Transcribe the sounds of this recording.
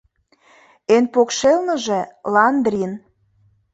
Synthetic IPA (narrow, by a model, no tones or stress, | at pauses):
enpokʃelnɤ̆ʒĕlɑnd̪rʲin